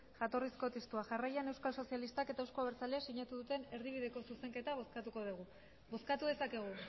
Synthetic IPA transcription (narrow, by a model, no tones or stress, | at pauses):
ʝat̪o̞risko̞t̪est̪uaʝarajane̞wskalso̞sialist̪ake̞t̪aewskoaβeɾt͡salesiɲat̪uðut̪e̞ne̞ɾðiβ̞iðe̞ko̞suse̞ŋke̞t̪askat̪uko̞ðeɣu | bo̞skat̪uðe̞sake̞ɣ̞u